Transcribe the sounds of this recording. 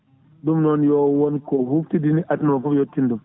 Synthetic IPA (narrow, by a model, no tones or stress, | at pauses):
dumnɔnjɔwɔnkɔɦuftidiniʔatnɔfɔbjotːindum